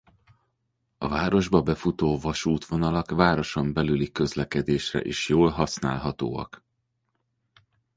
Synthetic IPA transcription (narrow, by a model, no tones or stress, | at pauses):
ɒvaːɾo̞ʒbɒbɛfut̪oːvɒʃuːt̪ʋo̞nɒlɒkvaːɾo̞ʃo̞mbɛlylikø̞zlɛkɛd̪eːʃrɛ̰ʔeːʃjoːlɦɒsna̰ːlɦɒt̪oːɒ̰k